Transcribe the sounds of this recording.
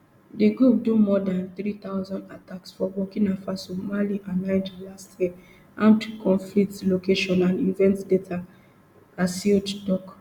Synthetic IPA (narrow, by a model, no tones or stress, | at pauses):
deɡɹup̚dumɔdãnt̪ɾit̪aʊzɔ̃ndataksfɔwɔkĩnãfasomaliʔãnãɪ̃nd͡ʒlastʰjɛ | ʔã̰mtukɔ̃nfliktlokeʃɔ̃nãnivɛ̃ntdetʰa | asilddɔk